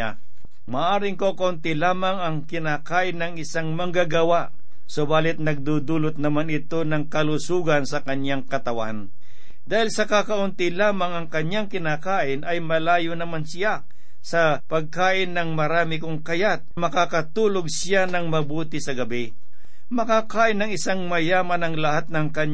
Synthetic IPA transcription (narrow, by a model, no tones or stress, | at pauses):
a | maʔaːɾɪŋkokɐʔʊnt̪ɪlaːmɐŋɐŋkɪnaːkaːʔɪnːɐŋɪsaŋmɐŋɡaɡɐwaʔ | sobaːlɪt̪̚nɐɡ̚d̪uːd̪uːlot̪̚nɐmanɪt̪o̞nɐŋkɐlusuːɡɐnsɐkɐɲjaŋkɐt̪ɐwa̰n | d̪aːhɪlsɐkakɐʔʊnt̪ɪlaːmɐŋɐŋkɐɲaŋkɪnakaːʔɪnʔɐjmɐlaːjonɐmansɪja | sɐpɐɡ̚kaːʔɪnːɐŋmɐɾaːmɪkʊŋkɐjat̪̚mɐkakɐt̪uːloɡ̚sɪjanɐŋmɐbuːt̪ɪsɐɡɐbɪ | mɐkaːkaːʔɪnːɐŋɪsaŋmɐjaːmɐnɐŋlɐhat̪̚nɐŋkɐɲ